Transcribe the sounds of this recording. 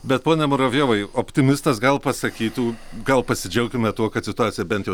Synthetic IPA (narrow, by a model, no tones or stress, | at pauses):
bʲɛt̪̚poːnʲɛmʊɾɐʋʲjoːʋɐɪopʲt̪ʲɪmʲɪst̪ɐsɡɐlˠpɐsɐkʲiːt̪uːɡɐlˠpɐsʲɪd͡ʒʲɛʊkʲɪmʲɛt̪uɔkɐt̪sʲɪt̪ʊaːt̪sʲɪjɛbʲɛnt̪jɛ